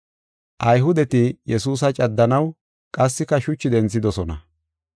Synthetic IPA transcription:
ʔɐjɦʊd̪ɛt̪ɪjɛsuːs̬ɐt͡ʃʼɐd̪ːɐnɐw | kʼɐsːɪkːɐʃʊt͡ʃːɪd̪ɛnt͡sːɪd̪ɔsɔnɐ̰

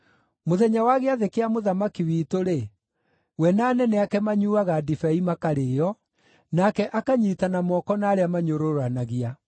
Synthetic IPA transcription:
moðɛɲawaɣeaðekeamoðamakiwitoɾe | wɛnaːnɛnɛakɛmaɲuːaɣadifɛimakaɾeːjɔ | nakɛʔakaɲitanamɔkɔnaːɾeamaɲoɾoɾanaɣia

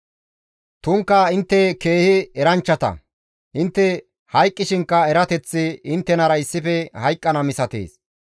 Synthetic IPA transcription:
t̪ʊŋkːɐɪnt̪ːɛke̞ːhɪɛɾɐnt͡ʃːɐt̪ɐ̰ | ʔɪnt̪ːɛ | hɐjkʼːɪʃɪŋkːɐɛɾɐt̪ɛt͡sːɪɪnt̪ːɛnɐɾɐɪsːɪfɛhɐjkʼːɐnɐmɪsɐt̪ḛːs

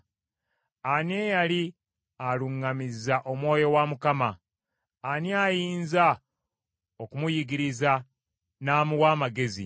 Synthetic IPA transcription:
anejali | aluŋːamizaʔo̞mwo̞ːjo̞wamukamaː | niajiːnza | o̞kumujiɡiɾiza | naːmuwaːmaɡe̞zḭ

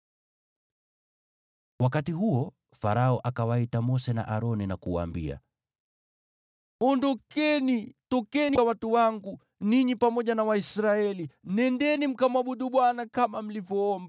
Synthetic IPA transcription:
wakatiɦuɔ | faɾaɔʔakawaitamɔsɛna̰ʔaɾɔninakuwa̰ːmbḭa̰ | ɔndɔkɛnitɔkɛniwatuwaŋɡu | niɲipamɔʄanawaisɾaɛlinɛndɛnim̩kamwaɓuɗuɓwanakamam̩livjɔɔmba

